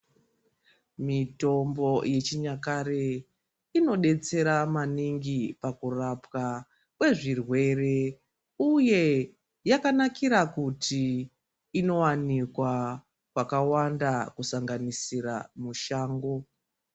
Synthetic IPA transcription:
mito̞mbo̞je̞t͡ʃiɲakaɾe | ino̞ɗe̞t͡se̞ɾamaniŋɡipakurapka | kwe̞ʐirwe̞re̞ | uje̞ | jakanakiɾakutiː | no̞wanikwa | kwakawandakusaŋɡanisiɾamuʃaːŋɡo

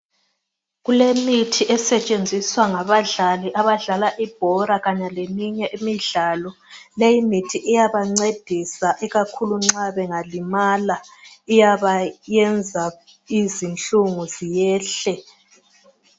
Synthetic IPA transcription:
ɣulemitʰiʔɛsɛt͡ʃʼend͡zʱiswaŋaβaɮaliʔaβaɮalaʔib̥ʱɔɾaɣaɲalemiɲɛʔimiɮalɔlejimitʰiʔijaβaŋ͡ǀed̥ʱisaʔiɣakʰuluŋ͡ǀaβɛŋalimalaijaβajɛnd͡zʱa | izint͡ɬʼuŋuzijɛːɬɛ

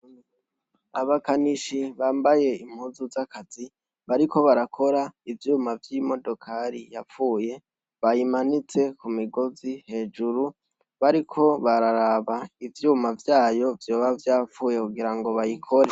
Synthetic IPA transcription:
aβakaniʃiβaːmbaje̞im̥huːzuzakaz̥i | βaɾiko̞βaɾakʰo̞ɾaivjuːmavjimo̞do̞kʰaɾijafuːje̞ | βajimanit͡se̞kumiɡo̞zihe̞ːd͡ʒuɾu | βaɾikʰo̞βaɾaɾaβaivjuːmavjaːjo̞vjoːβavjaːfuːje̞kuɡiɾaŋɡo̞βajikʰo̞ɾe̞

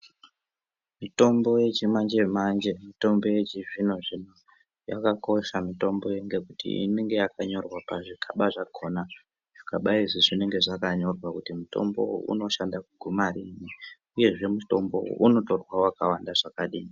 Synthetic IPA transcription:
mito̞mbo̞je̞t͡ʃimand͡ʒemand͡ʒe̞mito̞mbo̞je̞t͡ʃivinoʐino | jakako̞ʃamito̞mbo̞jeŋɡe̞kutʰḭḭne̞ŋɡe̞jakaɲo̞rwapaʐikʰaɓaʐakʰo̞na | ʐ̥ikaɓaiziʐine̞ŋɡe̞ʐakaɲo̞rwakutimuto̞̰mbo̞̰ṵno̞ʃandakuɡʱumarini | uje̞ʐe̞muto̞mbo̞̰ʔuno̞to̞rwaoakawandaʐakaɗiːi

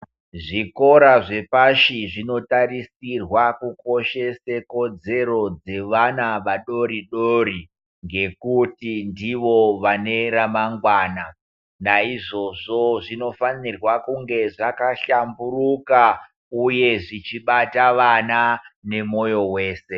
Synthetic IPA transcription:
ʐiko̞ɾaʐe̞paʃiʐino̞taɾisirwakuko̞ʃe̞seko̞d͡ze̞ɾo̞d͡ze̞ʋanaʋaɗo̞ɾiɗoɾi | ŋɡe̞kutindiʋoʋane̞ramaŋɡwaːna | naiʐo̞ʐo̞ʐino̞fanirwakuŋɡe̞ʐakaɬamburuka | uje̞ʐit͡ʃiɓataʋanane̞mo̞jo̞we̞ːse̞

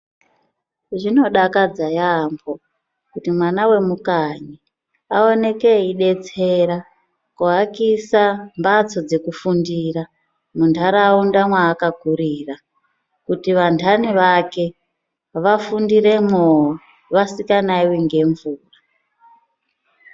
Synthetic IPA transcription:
ʐino̞ɗakad͡zajambo | kutimwanawe̞mukaɲi | ao̞ne̞ke̞iɗe̞t͡se̞ɾa | kuɦakisambat͡so̞d͡ze̞kufundira | muntʰaɾaundamwaːkaɡʱuɾiːra | kutiʋantʰaniʋake̞ | ʋafundire̞mo | ʋasikanaiwiŋɡe̞ɱvuːra

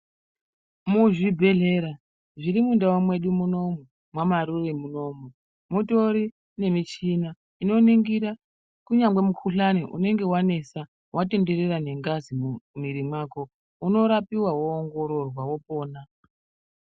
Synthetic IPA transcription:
muʐibʱe̞ɮe̞ɾa | ʐiɾimundawomwe̞ɗumuno̞mu | mwamaɾuremuno̞mu | muto̞ɾi | ne̞mit͡ʃina | ino̞niŋɡiɾa | kuɲaŋɡwe̞mukʰuɬaniʔṵne̞ŋɡe̞wane̞sa | wʔate̞nde̞re̞rane̞ŋɡazimumiɾimwaːko̞ | uno̞ɾapiwawoːŋɡo̞ɾo̞rwawo̞po̞ːna

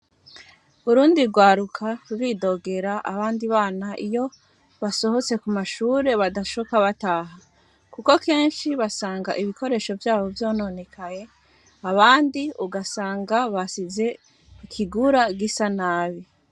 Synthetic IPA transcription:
uɾuːndiɡwaːɾukʰaɾuɾido̞ɡe̞ɾaʔaβaːndiβaːnaʔijo | βaso̞ho̞t͡se̞kumaʃuːɾe̞βadaʃokaβataːɦa | kuko̞ke̞ːnʃiβasaːŋɡaʔiβiko̞ɾe̞ːʃo̞vjaːβo̞vjo̞ːno̞ne̞kʰaje̞ | aβaːndiuɡasaːŋɡaβasize̞ | ikʰiɡuɾaɡisanaːβi

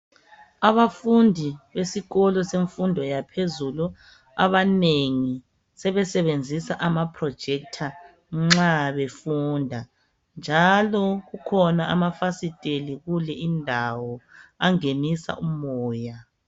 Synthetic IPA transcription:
aβafundʱiβesiɣɔlɔseɱfundʱɔjapʰezulu | a̰βaneŋi | sɛβɛsɛβend͡zʱisaʔamapʰrɔ̥d͡ʒ̥ʱɛk̚tʰa | ŋ͡ǁaβefuːndʱa | nd͡ʒʱalɔɣukʰɔnaamafasitʼeliɣulɛindʱawɔaŋenisa̰ʔumɔːja

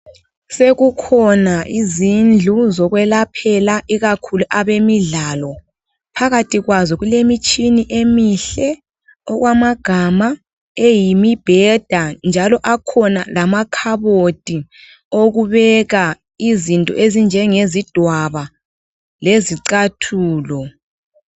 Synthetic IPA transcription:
seɣukʰɔnaʔizind͡ɮʱuzɔɣwɛlapʰɛlaʔiɣakʰuluʔaβemiɮaːlɔ | pʰaɣatʰʼiɣwazɔɣulemit͡ʃʼiniʔemiɬɛ | ɔɣwamaɡ̥ʱama | ejimib̥ʱɛd̥ʱand͡ʒʱalɔʔakʰɔna̰lamakʰaβod̥ʼʱi | oɣuβɛɣa | izintʼɔ̰ʔezind͡ʒʱɛŋezid̥ʱwaβa | leziǀatʰuːlɔ

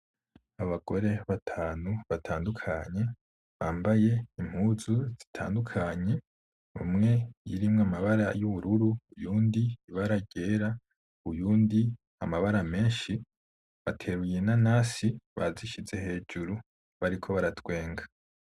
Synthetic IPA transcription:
aβaɡo̞ɾe̞βatʰaːnuβatʰaːndukʰaɲe̞ | βaːmbaje̞im̥huzuz̥i̥tʰa̰ːndukʰaɲe̞ | ṵmŋe̞jḭɾimŋamaβaɾajuβuɾuɾuujuːndiiβaɾaɟe̞ɾa | ujuːndi | amaβaɾame̞ːnʃi | βatʰe̞ɾujenanasiβa̰ziʃize̞he̞ːd͡ʒuɾu | βaɾikʰo̞βaɾatwe̞ːŋɡḁ

